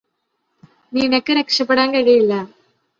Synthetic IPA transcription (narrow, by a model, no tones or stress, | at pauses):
ninɐkːɨɾɐkʂɐpːɐɽaːnkɐɻijilːɐ